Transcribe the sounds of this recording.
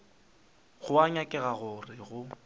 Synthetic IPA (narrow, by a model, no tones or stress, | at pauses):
ɣʊaɲakʼɛɣaɣʊrɪɣʊ